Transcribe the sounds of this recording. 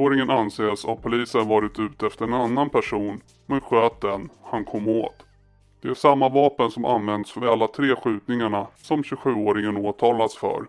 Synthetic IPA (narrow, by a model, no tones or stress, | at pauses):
oːɾɪŋənanseːsavpʰʊliːsənvɑːɾɪt̪ʉ̟ːt̪ɛft̪əɾɛnanːanpʰæʂuːn | mɛnɧøːt̪̚d̪ɛnhankʰɔmːo̰ːt̪ | d̪̥ɛæʂamːavɑːpənsɔmʔa̰nvɛnd̪sfœalːat̪ʰɾeːɧʉ̟ːt̪nɪŋaɳasɔmɕɵɧʉ̟ːoːɾɪŋənoːt̪ʰɑːlad̪sfœ̰ɾ